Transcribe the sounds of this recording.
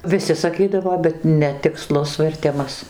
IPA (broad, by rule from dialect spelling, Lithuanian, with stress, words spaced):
ʋʲɪˈsʲɪ sɐˈkʲiːdɐʋoː bʲɛt nʲɛtʲɪkˈslˠʊs ʋʲɛrʲˈtʲɪmɐs